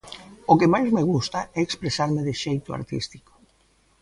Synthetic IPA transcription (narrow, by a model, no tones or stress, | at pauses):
ʊkɪmajzmeɣ̞ust̪aɛekspɾesaɾmɪðɪʃejt̪ʊa̰ɾt̪ḭst̪i̥ko̥